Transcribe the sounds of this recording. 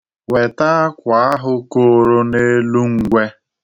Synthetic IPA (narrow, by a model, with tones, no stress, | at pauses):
we˨ta˦kʷa˨a˦ɦʊ˦ko˦ɾo˦ne˦lu˦ŋ̩˨ɡʷe˦